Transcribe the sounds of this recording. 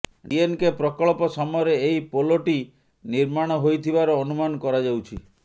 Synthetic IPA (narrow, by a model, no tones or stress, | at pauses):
ɖienkepɾɔkɔɭpɔsɔmɔjɔɾeːjpoloʈi | niɾmaɽ̃ɔɦojt̪ʰibaɾɔːnumanɔkɔɾad͡ʒawt͡ʃʰi